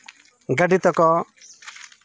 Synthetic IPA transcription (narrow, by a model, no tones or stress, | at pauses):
ɡɐɖit̪ɔkɔ